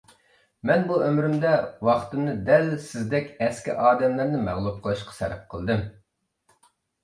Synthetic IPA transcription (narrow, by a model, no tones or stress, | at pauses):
mɛnbuømɾymd̪ɛwɑχt̪ɨmnɨd̪ɛlsɪzd̪ɛkʲɛskʲḭʔɑːd̪ɛmlɪɾnɪmæ̰ʁlˠup̚qʰəlˠɨʃqʰɑ̥sɛ̰ɾɛ̰p̚qʰəlˠd̪ɨm